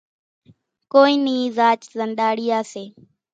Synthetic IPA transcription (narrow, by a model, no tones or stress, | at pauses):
koːiːniːzaːt͡ʃzənɗaːɽiːaːseː